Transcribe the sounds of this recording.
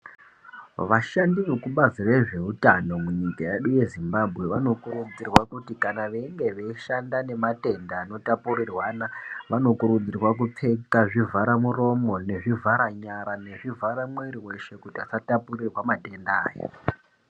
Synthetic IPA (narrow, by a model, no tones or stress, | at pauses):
ʋaʃandiʋekuɓazire̞ʐe̞utano̞muɲikajeɗuje̞zimbabʱɣe̞ʋano̞kurud͡zirwakutikanaʋe̞ŋɡe̞ʋe̞iʃandane̞mate̞ndaːno̞tapurirwanaʋano̞kuɾud͡zirwak̬up͡fe̞kaʐivʱaɾamuro̞mo̞ne̞ʐivʱaɾaɲaɾane̞ʐivʱaɾamwe̞ɾiwe̞ʃe̞kutiasatapurirwamate̞nda̰ːjo̰